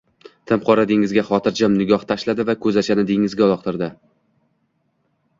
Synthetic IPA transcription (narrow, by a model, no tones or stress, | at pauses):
t̪ʰɪmqʰɒɾad̪ɪŋɪzɡʲaχɒt̪ʰɪɾd͡ʒamnɪɡʲɒht̪ʰaʃlad̪ɪvakʰɵzat͡ʃʰanɪd̪eŋɪzɡʲaɒlˠɒq̚t̪ʰɪɾd̪ɪ